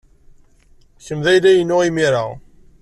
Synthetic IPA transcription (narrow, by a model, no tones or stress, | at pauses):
çəmðæjlæjənːʊʁimiɾa̰ʁ